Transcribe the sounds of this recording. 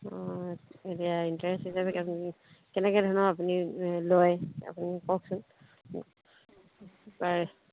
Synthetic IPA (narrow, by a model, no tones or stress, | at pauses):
ɔetiaintaɹɛsthisabɛ | kɛnɛkɛdʱɔnɔapuniloja̰punikɔk̚sʊn | baɹɛ